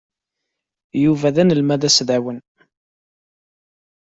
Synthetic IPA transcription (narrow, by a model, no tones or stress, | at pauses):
juvæðænəlmæðæsðæwən